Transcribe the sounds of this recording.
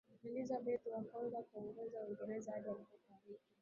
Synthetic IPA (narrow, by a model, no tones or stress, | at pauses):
ɛlizaɓɛt̪iwakɔnzakwauɡɛzauiŋɡɛɾɛzaʄiwam̩kukavi